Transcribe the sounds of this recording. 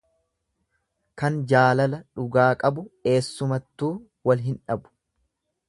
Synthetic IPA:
kɐnd͡ʒaːlɐlɐᶑʊɡaːkʼɐbʊe̞ːsːʊmɐt̪ːuː | wɐlɦɪnᶑɐbʊ̥

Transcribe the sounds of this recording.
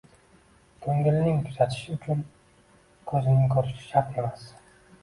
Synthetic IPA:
kʲʰɵŋɡɪlɪnɪŋkʰʊzat̪ʰɪ̥ʃɪʊt͡ʃʰʊn | kʰɵzɪnɪkʰɵɾɪʃɪ̥ʃaɾt̪e̞mas

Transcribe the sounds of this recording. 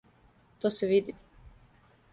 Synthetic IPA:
t̪oːseʋid̪i

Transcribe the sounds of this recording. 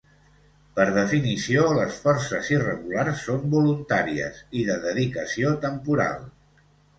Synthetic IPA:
pəɾð̞əfinisioləsfɔrsəzirəɣularsːombulunt̪aɾiə̰siðəðəðikəsiot̪əmpuɾa̰lˠ

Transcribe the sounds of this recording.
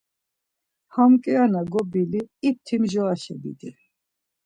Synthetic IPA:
hamkʼɛanaɡɔbiliːp̚t̪ʰimʒɔaʃɛbḭd̪i

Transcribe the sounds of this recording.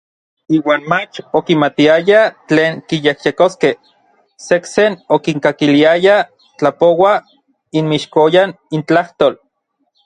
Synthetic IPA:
iːwaːnmat͡ʃokimat̪iajat͡ɬeːŋkijehjekoske | seksenokiŋkakiliaja | t͡ɬapowa | inmiʃkojan | int͡ɬaht̪oːl

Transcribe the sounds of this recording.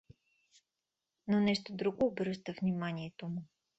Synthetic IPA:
nonɛʃt̪od̪ɾuɡoːbɾɤʃt̪əvnimaniɛt̪omʊ

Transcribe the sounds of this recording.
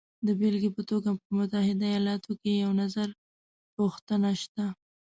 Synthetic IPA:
d̪əbelɡipət̪oɡapəmʊt̪ahɪd̪aːjɑlɑt̪okejawnazaɾ | puxt̪ənaʃt̪a

